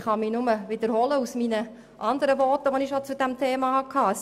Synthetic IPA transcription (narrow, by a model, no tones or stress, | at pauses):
χhɑminʊməʋɪd̥̪əɾhɔləusminə | ʔɑnd̪əɾəʋɔtəʋɔnɪʃot͡sud̥̪æmt̪ʰeːmɑhɑkʰɑːəs